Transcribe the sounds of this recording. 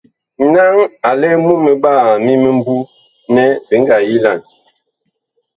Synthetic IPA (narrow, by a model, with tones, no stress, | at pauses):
na˦ŋa˨lɛ˦mu˦me˨ɓa˦˨mi˦me˦m˦bu˦ | nɛ˦bi˨ŋ˦ɡa˨ji˦la˦˨n